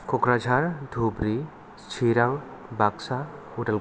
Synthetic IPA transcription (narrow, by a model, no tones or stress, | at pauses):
kokɾad͡ʒʱaɾd̪ʱubɾi | t͡ʃʰiɾaŋ | baksa | uʈɐl